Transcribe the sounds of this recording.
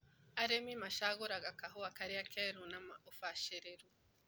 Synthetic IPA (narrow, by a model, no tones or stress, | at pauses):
aɾemimaʃaɣuɾaɡakaɦoakaɾiakʰeɾunamaofaʃeɾeɾu